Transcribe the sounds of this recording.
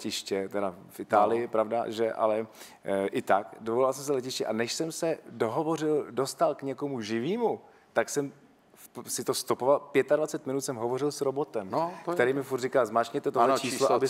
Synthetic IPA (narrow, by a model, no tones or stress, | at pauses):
ɪʃcɛt̪ɛdafʔɪt̪aːlɪjɪpɾavda̰ʒɛʔa̰lɛ | ʔɪt̪akdovolalsɛmsɛlɛcɪʃcɛʔanɛʃsɛmsɛdo̞ɦo̞vo̞rɪldost̪alkɲɛko̞muʒɪviːmu | t̪aksɛm | sɪt̪o̞st̪opo̞valpjɛt̪advat͡sɛt̪mɪnut̪sɛmɦovo̞rɪlsɾo̞bo̞t̪ɛmkkt̪ɛɾiːmɪfuɾt̪rikaːzmaːʃɲɛt̪ɛt̪ot͡ʃisloabɪ